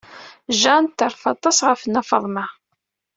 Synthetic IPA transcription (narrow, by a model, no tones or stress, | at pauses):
ʒænt̪ːəɾˤfɑt̪ˤːɑsʁəfənːæfɑ̰ðˤma